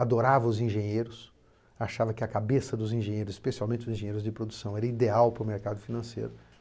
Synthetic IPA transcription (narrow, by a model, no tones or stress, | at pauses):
ad̪oɾavɐʊzĩʒẽɲejɾʊs | aʃavɐkɪɐkabesɐd̪ʊzĩʒẽɲejɾʊzɪ̥spesialwmẽnt͡ʃɪʊzĩʒẽɲejɾʊzd͡ʒɪpɾod̪usɐ̃w̃ɛɾɐid̪eawpɾʊmeɾkad̪ʊfinɐ̃sḛjɾʊ